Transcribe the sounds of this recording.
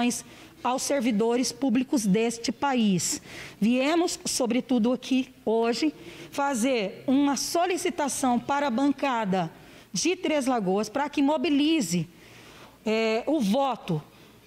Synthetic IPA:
j̃s | awseɾvid̪oɾɪspublikʊzd̪est͡ʃɪpaisviẽmʊsːobɾɪt̪ud̪ʊakʰi | oʒɪfazeɾũmɐsolisit̪asɐ̃w̃paɾɐbɐ̃ŋkad̪ɐ | d͡ʒɪt̪ɾezlaɡoɐspɾɐkɪmobilizɪ | ɛʊvɔt̪ʊ

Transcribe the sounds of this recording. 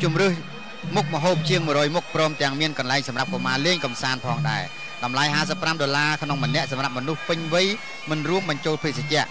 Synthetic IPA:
t͡ɕumrɨh | muk̚məɦoːp̚t͡ɕiəŋmɨərɔːjmuk̚prɔːmt̪ɛ̆əŋmiənkɑnlaɛŋsɑmrap̚komaːleːŋkɑmsaːnpʰɑːŋɗaɛ | ɗɑmlajɦaːsəpːramɗolaːkʰnoŋmənɛ̆əʔsɑmrap̚mɔnuhpɨɲʋɨj | mɨnruəmɓɑɲt͡ɕoːlpʰɨsat͡ɕɛ̆əʔ

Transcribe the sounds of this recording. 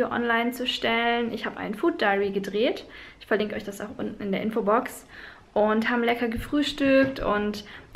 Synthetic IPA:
joʔɔ̰nlaɪnt͡suʃtɛlənʔɪçhaːbəʔa̰ɪnfuːt̚d̥aɪʁiɡədʁeːtʔɪçfɛɐlɪŋkəʔɔʏçd̥asaʊxʔʊ̰ntn̩ɪndeːɐʔɪnfobɔks | ʔʊnthaːbəlɛkɐɡəfʁ̥yːʃtʏk̚tʰʊ̰nt

